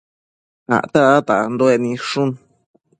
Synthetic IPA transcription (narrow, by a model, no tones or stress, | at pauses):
a̰t̪aat̪and̪oenĩʂun